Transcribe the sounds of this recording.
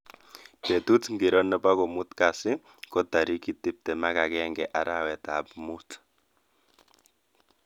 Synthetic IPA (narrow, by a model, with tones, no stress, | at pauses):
pe˨tu˦tŋɡi˨ɾɔ˦nɛ˦pa˦kɔ˨mu˦tka˨sɪ˦ | kɔ˦ta˨ɾi˦ki˦tɪ˦p̚tɛ˨ma˦ka˨kɛ˦ŋɡɛ˨ʔa˨ɾa˦wɛ˨ta˨pmu˦t